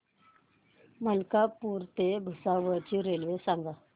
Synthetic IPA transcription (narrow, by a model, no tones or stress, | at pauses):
məlkapuːɾt̪ebʱusaʋət͡ɕiɾelʋesaŋɡa